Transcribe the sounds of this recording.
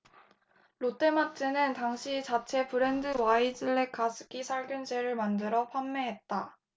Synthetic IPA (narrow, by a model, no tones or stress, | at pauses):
ɾot͈e̞matʰɯnɯntaŋɕʰit͡ɕat͡ɕʰe̞pɯɾe̞ndɯwaid͡ʑɯɭːe̞kʰasʰɯ̥kʰisʰaɭɡjund͡ʑʰe̞ɾɯɭmandɯɾʌpʰamːe̞ɦe̞t̚t͈a